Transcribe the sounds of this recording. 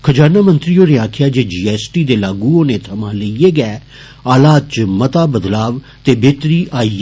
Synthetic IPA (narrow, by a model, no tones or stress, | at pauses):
kʰəd͡ʒaːnaːmə̃nt̪ɾiːoːneaːkʰjaːd͡ʒeːd͡ʒiːɛːsʈiːd̪eːlaːɡuːoːneːt̪ʰəmãːləijeːɡɛː | aːlaːd̪̚t͡ʃmət̪aːbəd̪laːʋ | t̪eːbeːt̪ɾiːʔaːi